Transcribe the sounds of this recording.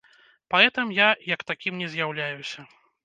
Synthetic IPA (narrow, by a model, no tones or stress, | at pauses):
paɛt̪ɨmjajɐkt̪akʲimnʲɛzʲjawlʲajusʲɐ